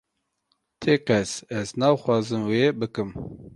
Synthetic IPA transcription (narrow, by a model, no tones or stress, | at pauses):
t̪ʰeːkɛsɛznɑːxwɑːzɨmweːbɨkɨm